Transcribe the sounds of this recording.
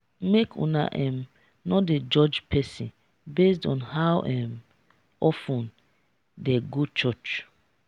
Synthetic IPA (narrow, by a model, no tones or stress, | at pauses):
mekʰṵ̃na̰ʔɛm | nɔded͡ʒɔd͡ʒpʰɛsĩn | besdɔ̃nhawʔɛm | ɔfũn | deɡut͡ʃɔt͡ʃ